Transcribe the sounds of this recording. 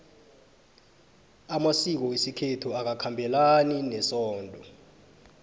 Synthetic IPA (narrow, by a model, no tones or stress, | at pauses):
amasik̬ɔwesikʰetʰuak̬akʰambʱɛlaninɛsɔːndʱʼɔ